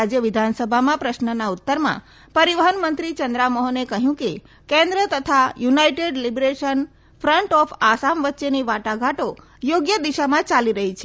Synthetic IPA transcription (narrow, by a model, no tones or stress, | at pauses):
ad͡ʒjəʋɪd̪ʱansəbʱamãpɾəʃnənaut̪ːəɾmã̰ | pəɾiʋəɦənmənt̪ɾit͡ʃənd̪ɾamɔɦənekəɦjũke | kẽnd̪ɾət̪ət̪ʰajunaiʈeɖlibɾeʃən | fɾəɳʈɔfasamʋətːʃeniʋaʈaɡʱaʈo | joɡjəd̪iʃamãt͡ʃaliɾəɦit͡ʃʰe